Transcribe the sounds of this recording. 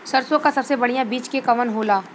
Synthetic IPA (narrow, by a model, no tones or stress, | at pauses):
sɐɾsõkasɐbsebɐɽ̤ijabiːt͡ʃkekɐʋənɦoːlaː